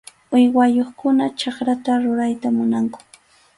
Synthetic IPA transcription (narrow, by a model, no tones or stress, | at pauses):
ʊjwajoχkʊnat͡ʃɑkɾat̪aɾʊɾajt̪amʊnaŋkʊ̥